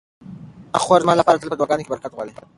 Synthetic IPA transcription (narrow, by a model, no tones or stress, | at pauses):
a̰χwaɾzmɑlapɑːɾat̪əlpəd̪waɡɑːnokebaɾkat̪ʁwa̰le